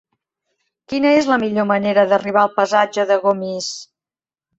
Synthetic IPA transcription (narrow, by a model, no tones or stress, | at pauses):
kinəezləmiʎoməneɾəðəriβ̞alˠpəzad͡ʒəðəɣomis